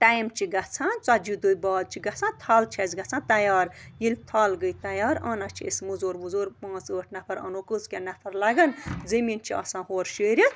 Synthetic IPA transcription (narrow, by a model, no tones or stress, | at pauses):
ʈajmt͡ʃʰiɡɐt͡sʰãːt͡sad͡ʒid̪ujbaːd̪̚t͡ʃʰiɡɐt͡sʰãːt̪ʰaːlt͡ʃʰezɡɐt͡sʰãːt̪ɐjaːɾjilt̪ʰaːlɡəjt̪ɐjaːɾɐnat͡ʃʰiesmuzoːɾmuzoːɾpãːt͡səːʈʰnɐpʰɐɾɐ̰nokɨt͡skʲanɐpʰɐɾlɐɡɐnzemiːnt͡ʃʰiɐ̰sãːɦoːɾʃeːɾi